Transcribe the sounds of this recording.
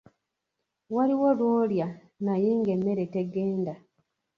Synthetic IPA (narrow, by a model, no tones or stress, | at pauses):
waliwolwoːlja | najeŋɡemːe̞ɾe̞teɡeːnda